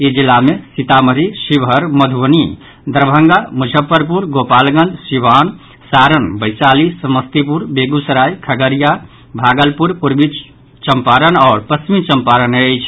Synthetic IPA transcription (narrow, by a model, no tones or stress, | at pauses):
ed͡ʒilːamesit̪aməɾisibʱəɾməd̪ʱəni | d̪əɾbʱəŋɡamud͡ʒʱəpːəɾp̬uɾɡopalɡə̃nd͡ʒ̪siban | saɾənbəjt͡ʃalisəməst̪ipuɾbeɡusəɾajkʰəɡəɾija | bʱaɡəlpuɾpuɾbit͡ʃ | t͡ʃəmpaɾənaːɾpəst͡ʃimit͡ʃəmpaɾənəjt͡ʃʰ